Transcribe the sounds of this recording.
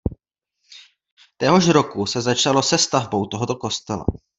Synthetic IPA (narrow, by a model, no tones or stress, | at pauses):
t̪ɛɦo̞ʃɾo̞kusɛzat͡ʃalo̞sɛst̪avbo̞wt̪oɦot̪o̞ko̞st̪ɛla̰